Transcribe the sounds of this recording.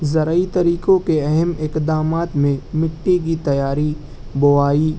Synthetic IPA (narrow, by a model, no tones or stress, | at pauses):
zɐɾəit̪ɐɾiːkõkeɐɦɛmɪqd̪aːmaːt̪mẽmɪʈːik̬it̪ɐjaːɾi | bʊʋaːi